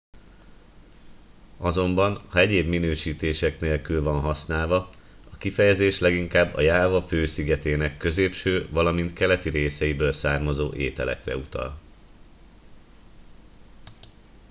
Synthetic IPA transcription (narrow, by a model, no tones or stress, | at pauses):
ɒzo̞mbɒnhɒɛɟeːbminøːʃiːt̪eːʃɛkneːlkylvɒnɦɒsnaːlvɒ | ɒkifɛjɛzeːʃlɛɡiŋkaːbːɒ̰jaːvɒføːsiɡɛt̪eːnɛkːø̞zeːpʃøːvɒlɒmint̪kɛlɛt̪iɾeːsɛibøːlsaːrmɒzoːʔeːt̪ɛlɛ̰krɛ̰ut̪ɒ̰l